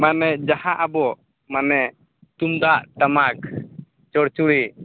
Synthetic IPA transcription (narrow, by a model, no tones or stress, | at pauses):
manɛd͡ʒahaʔabɔʔ | manɛ | t̪umd̪aʔt̪amak | t͡ʃɔɽt͡ʃuɽi